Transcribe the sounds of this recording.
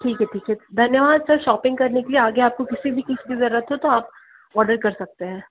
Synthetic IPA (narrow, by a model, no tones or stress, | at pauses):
ʈʰiːkɦɛʈʰiːkɦɛd̪ʱɐnjəʋaːd̪sɐɾʃɔːpɪ̃ŋɡkɐɾnekelieaːɡeaːp̚kokɪsibʱikɪskizɐɾuːət̪ɦot̪oaːp̚ | ɔːɾɖəɾkɐɾsɐk̚t̪eɦɛ̃ː